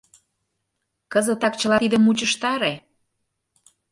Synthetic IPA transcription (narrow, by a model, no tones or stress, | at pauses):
kəzə̆t̪ɑk̚t͡ɕəlɑt̪id̪əmut͡ɕəʃt̪ɑɾe